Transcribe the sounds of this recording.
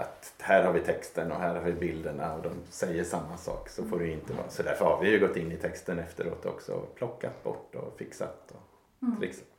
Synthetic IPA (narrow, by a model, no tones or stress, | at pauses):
ʔa̰t̪ | hæːɾhaɾvɪt̪ʰɛkst̪ənɔɦæːɾhaɾvɪbɪld̪əɳaɔd̪ɔmsɛjːəʂamːasɑ̰ːksɔfoːɖɵjɵɪnt̪əvɑ̰ːɾasɔd̪æɾfœɾhaɾvɪjɵɡɔt̪ːɪnːɪt̪ʰɛkst̪ənɛft̪əɾo̰ːt̪ɔ̰ksɔ̰pʰlɔkːat̪bɔ̰ʈːɔ̰fɪksa̰t̪ɔ | t̪ʰɾɪksa